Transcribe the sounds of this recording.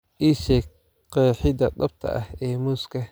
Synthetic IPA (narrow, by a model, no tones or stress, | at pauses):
ʔiːʃɛ | qɛːħɪd̪ɐd̪ɐb̚t̪ʰɐ̰ʔɐhɛːmuːskʰɐ